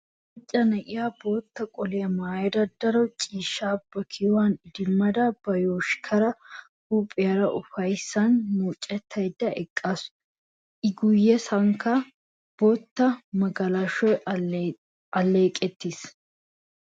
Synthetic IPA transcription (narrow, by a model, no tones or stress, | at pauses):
ɪt͡ʃʼːɐnɐʔɪjaboːt̪ːɐkʼɔlɪjɐmaːjɛd̪ɐd̪ːɐɾɔt͡ʃʼiːʃːaːb̥ɐkʰɪwanɪd̪ɪmːɐd̪ɐbɐjoːʃkʰɐɾɐ | hupʼɪjɐɾɐʔʊfɐjsːɐnːuːt͡ʃʼːɛt̪ʰːɐjd̪ːɐɛkʼːasʊ | ʔɪɡʊjːɛsɐŋkɐ | b̥oːt̪ːɐmɐɡɐlɐʃɔj | ɐlːeːkʼːɛt̪ːis